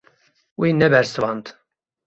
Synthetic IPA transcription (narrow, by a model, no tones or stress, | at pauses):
winɛbɛɾsɨvɑnt̪